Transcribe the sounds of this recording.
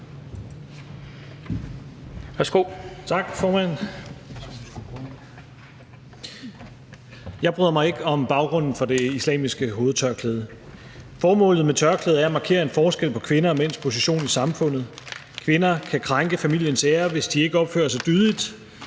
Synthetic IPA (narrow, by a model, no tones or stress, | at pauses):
ʋæɐsɡ̥o̝̰t͡sʰɑ̈ɡ̥fɒːmæn̰sɒmisɡ̥u̥o | jɑ̈ɪb̥ʁyðˠɐmɑ̈ɪe̝ɡ̥əɒ̽mb̥ɑ̈ʊɡ̥ʁɔ̽n̰n̩fɒ̽d̥e̝islɛ̰ːmisɡ̥əɦo̝ːð̩ˠt͡sʰɶɐkʰleːð̞ˠə | fɒːmɔ̰̽ːlð̩ˠmet͡sʰɶɐkʰleːð̞̩ˠæɐæmɑ̈ːkʰe̝̰ːɐe̝nfɒːsɡ̥el̰pʰɒ̽kʰʋe̝nɐmen̰spʰo̝s̬iɕo̝̰ːnisɑ̈mfɔ̽n̰ð̞̩ˠ | kʰʋe̝nɐkʰækʰʁaŋɡ̥əfæmil̰jənseːɐʋe̝sd̥ie̝ɡ̥əɒ̽b̥fø̰ɐsɑ̈ɪd̥yðˠlid̥